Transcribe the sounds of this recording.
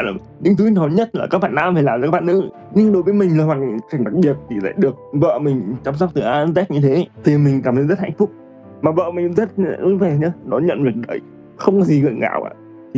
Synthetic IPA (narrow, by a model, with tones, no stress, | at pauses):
lɗï˧ŋt̪u˧˦i˦˥nɔ˨˦ɲə˦˥t̚laː˨kaː˦˥k̚ɓaː˧˨naː˧mfaː˨˩laː˨˩zaː˨˧˦a˦˥˩ɓaː˨nɨ̰˧˥ | ɲɨ˧ŋɗo˨˦jvəː˨˦jmï˨˩ŋ̟laː˨˩waː˨˩ka˨˩ŋ̟ɗa˨˩k̚ɓi˨˩ət̚t̪ʰi˨˩la̰ː˧˥jɗɨ˨˩ək̚və̰ː˧˨mï˨˩ŋ̟t͡ɕaː˧msk͡p̚t̪ɨ˨˩ʔaː˧zɛ˦˥t̚ɲɨ˧t̪ʰe˨˦˧t̪ʰi˨˩mï˨˩ŋ̟kaː˧˩mt̪ə˨˦jzə˦˥t̚ha̰˧jŋ̟fʊ˦˥k͡p̚ | maː˨˩və̰ː˧˨mï˨˩ŋzə˦˥t̚a̰˧˨ʔʊ̰˧˩˦ve˧˨˩ɲɨ˧˦ɗɔ˨˦ɲə̰˧˨nvɨ˨˩ək̚ɗə˨˩j | xə˧wŋ͡mkɔ˨˦zi˨˩ɣə̰ː˧˨ɣa̰ː˧˩wʔa̰ː˧˨ | t̪ʰi˨˩